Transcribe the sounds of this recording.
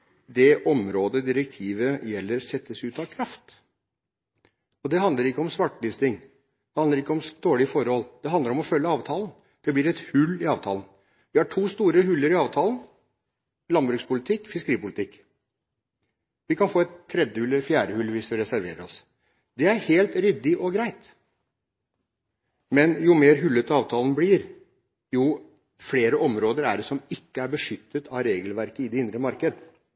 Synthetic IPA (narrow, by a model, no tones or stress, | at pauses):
d̪ɛʔɔmɾoːd̪əd̪ɪɾɛk̚t̪ʰiːʋəjɛlːəɾsɛt̪ːəsʉːt̪ɑʋkʰɾɑft̪ | ɔd̪ɛɦɑnd̪ləɾɪkːəɔmsʋɑʈːlɪst̪ɪŋ | d̪̥ɛhɑnd̪əɾɪkːəɔmd̪̥oːɭɪfɔɾhɔlːd̪̥ɛɑnd̪əɾɔmɔfœlːəɑːʋt̪ʰɑːln̩ | d̪̥ɛblɪɾɛt̪hʉlːɪɑːʋt̪ʰɑːln̩ | ʋɪhɑʈʰuːst̪uːɾəɦʉlːəɾɪɑːʋt̪ʰɑːlən | lɑnbɾʉːkspʰʊlɪt̪ʰɪkːfɪskəɾiːpʊlɪt̪ʰɪkː | ʋɪkʰɑnfoːɛt̪ʰːɾɛd̪jəhʉləɾfjæːɾəhʉlʋɪsʋ̪ɪɾɛsæɾʋḛːɾəɾɔs | d̪ɛæɾheːlt̪ɾʏd̪ɪʔɔɡɾæɪt̪ | mɛnjʊmeːɾɦʉlːət̪əɑːʋt̪ʰɑːlnblɪɾ | ju | fleːɾəɔmɾoːd̪əɾæ̰ɖɛsɔmɪkːəæɾbəʂʏt̪ːət̪ʰɑɾeːɡəlʋæɾkəɪd̪ɛɪnd̪ɾəmɑɾkəd̪ə